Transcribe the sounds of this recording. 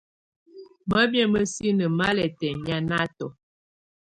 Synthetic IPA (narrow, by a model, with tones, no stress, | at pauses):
mə˦bjɛ˦mə˦si˦nə˨ma˦lɛ˨tɛ˨ɲ˨a˦na˦tɔ˨